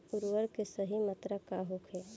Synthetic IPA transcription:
ʊɾwəɾkesəɦimət̪ɾəkaɦokʰe

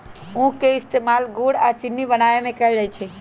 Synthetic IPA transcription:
ũkeist̪emalɡoɽat͡ʃinːibənajemẽkɛld͡ʒajt͡ʃʰɛ

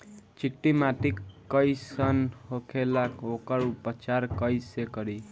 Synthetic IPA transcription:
t͡ʃik̚ʈimaʈikː | ʌjsənhokʰelakokəɾupət͡ʃaɾkʌjsekəɾi

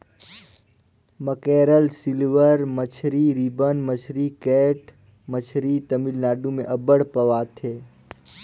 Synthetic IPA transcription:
məkeːɾəlsɪlʋəɾmət͡ʃʰɾiɾiːbənmət͡ʃʰɾikɛːʈ | mət͡ʃʰɾit̪əmilnaːɖũmẽʔɐbəɽpəʋaːt̪ʰeː

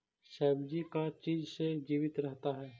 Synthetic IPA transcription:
ʃɛːbd͡ʒikat͡ʃiːd͡ʒsed͡ʒiːʋɪt̪ɾɛɦt̪aɦɛː

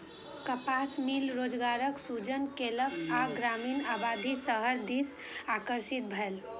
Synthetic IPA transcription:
kəpasmilɾod͡ʒɡaɾəksud͡ʒənkeləkaɡɾaminabad̪ʱisəɦəɾd̪is | akəɾsit̪̚bʱəel

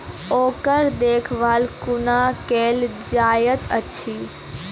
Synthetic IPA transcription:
oːkəɾd̪eːkʰʋaːlkʊnakeːld͡ʒaːjət̪ət͡ʃʰiː

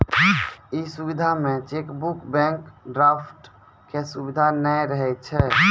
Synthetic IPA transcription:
isubid̪ʱamẽt͡ʃekbukbɛ̃ŋkɖɾapʰʈ | kesubid̪ʱanəjɾəɦɛt̪̚t͡ʃʰɛ

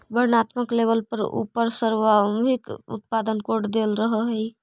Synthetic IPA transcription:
bəɾnat̪məklebəlpəɾṵpəɾsəɾwamɦikṵt̪̚pad̪ənkoɖd̪elɾəɦəɦəj

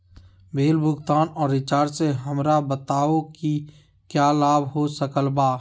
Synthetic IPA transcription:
bʱeːlbʱʊɡt̪aːnɔːɾːɪt͡ʃaːɾseɦəmɾabət̪aːoki | kjaːlaːbʱɦosəkəlbaː

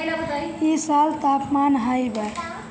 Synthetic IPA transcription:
isalt̪apmanɦəjbə

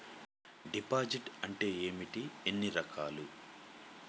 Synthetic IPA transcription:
ɖipaːd͡ʒiʈɐɳʈe̞ːeːmiʈienːiɾɐkʰaːlu

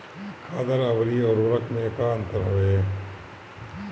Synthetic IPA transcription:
kʰaːd̪əɾɐʋɾiːɔːɾʊɾɐkʰmeːkaːɐ̃nt̪əɾɦɐʋeː

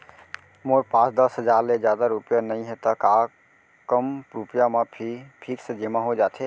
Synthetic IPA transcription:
moːɾpãːt͡ʃd̪əsɦəd͡ʒaːɾled͡ʒjad̪aɾupjanəĩɦɛt̪əka | kəmɾupjamẽpʰipʰiːksə̃d͡ʒemãɦod͡ʒaːt̪ʰe

